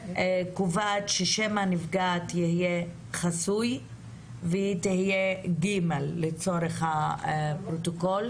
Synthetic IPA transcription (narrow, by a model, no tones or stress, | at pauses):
kuvatʃeʃemanifɡatjihije | χasuj | veitihijeɡimelːet͡so̞ɾeχhapɾotokol